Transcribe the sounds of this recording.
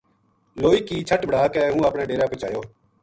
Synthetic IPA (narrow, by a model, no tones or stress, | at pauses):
loːiːkiːt͡ʃʰəʈbʱəɽ̤aːkɛːɦũːaːpɳẽːɖeːɾaːkoːt͡ʃa̰ːjoː